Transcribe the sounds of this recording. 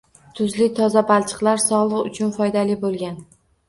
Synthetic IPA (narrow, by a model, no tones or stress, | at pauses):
t̪ʰʊzlɪt̪ʰɒzabalˠt͡ʃʰɨ̥qlˠaɾsɒʁlˠɨqʊ̰t͡ʃʰʊnfɒjd̪alɪbolˠɡʲan